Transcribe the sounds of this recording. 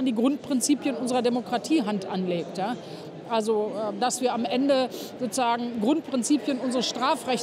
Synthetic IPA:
andiːɡʁʊnt̚pʁ̥ɪnt͡siːpjənʔʊnzəʁɐdemokʁ̥atʰiːɦantʔanleːk̚tjaː | ʔalzoʔɛːdasv̥iːɐamʔɛndəzoːt͡suzaːɡŋ̩ɡʁʊnt̚pʁ̥ɪnt͡siːpjənʔʊnzəʁəsʃtʁ̥aːfʁɛç

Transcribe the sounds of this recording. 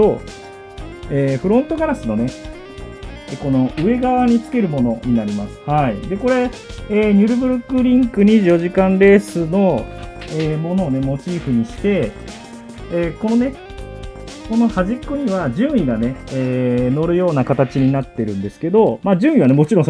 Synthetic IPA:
o | eːɸɯ̟ɾõ̞nt̪o̞ɡaɾasɨno̞ne̞ | ko̞no̞ʔɯ̟e̞ɡaβaɲ̟it͡sɨ̥ke̞ɾɯ̟mo̞no̞ɲ̟inaɾʲimasɨ̥haid̪e̞ko̞ɾe̞eːɲ̟ʲɨɾɯ̟bɯ̟ɾɯ̟kːɯ̟ɾʲĩŋkɯ̟ɲ̟iʑijo̞ʑikãnɾe̞ːsɨno̞eːmo̞no̞ːne̞mo̞t͡ɕiːɸɯ̟ɲ̟iɕi̥t̪e̞ | ko̞no̞ne̞ | ko̞no̞haʑikːoɲ̟iβad͡ʑɨ̃ːɰ̃iɡane̞eːno̞ɾɯ̟jo̞ːnakat̪at͡ɕiɲ̟inat̪ːe̞ɾɯ̟̃nd̪e̞sɨ̥ke̞d̪o̞maːʑɨ̃ːɰ̃ĩβane̞mo̞t͡ɕiɾõ

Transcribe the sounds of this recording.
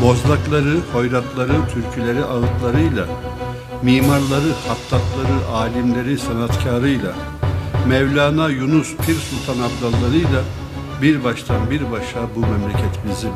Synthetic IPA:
bo̞zlˠaklˠaɾɯho̞jɾaklˠaɾɯt̪ʰyɾcʰylʲeɾiʔaɯt̪lˠaɾɯjlˠa | miːmaɾlˠaɾɯhat̪ʰːak̪lˠaɾɯʔaːlʲimlʲe̞ɾisanat̪cʰaːɾɯjlˠa̰ | mɛvlʲaːnajunuspʰiɾsulʲt̪ʰanabd̪alːˠaɾɯjlˠa | biɾbaʃt̪ʰanbiɾbaʃabumɛmlʲɛcʰɛt̪ʰimizi

